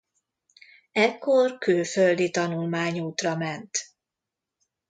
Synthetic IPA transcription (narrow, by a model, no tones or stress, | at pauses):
ɛkːo̞rkøːføld̪it̪ɒnulmaːɲuːt̪rɒmɛnt̪